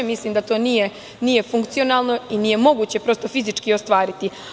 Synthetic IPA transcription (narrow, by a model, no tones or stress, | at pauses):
misliːmd̪at̪o̞ːnije̞ | niːje̞fuŋkt̪sio̞naːlˠno̞inije̞mo̞ɡuːt͡ɕe̞pɾo̞st̪o̞fizit͡ʂkiost̪ʋaːɾit̪i